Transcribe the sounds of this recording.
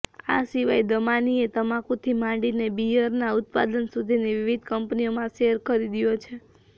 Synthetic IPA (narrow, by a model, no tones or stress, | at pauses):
a̰siʋajd̪əmaniet̪əmãkũt̪ʰimãɳɖinebijəɾnaut̪̚pa̰d̪ənsud̪ʱiniʋiʋid̪ʱkəmpnijomãʃeəɾkəɾid̪ijot͡ʃʰe